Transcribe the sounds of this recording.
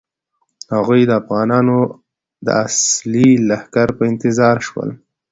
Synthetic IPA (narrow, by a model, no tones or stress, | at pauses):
haɣujd̪əafɣɑnɑno | d̪ə̰aslilahkaɾpəɪnt̪ɪzɑɾʃwə̰l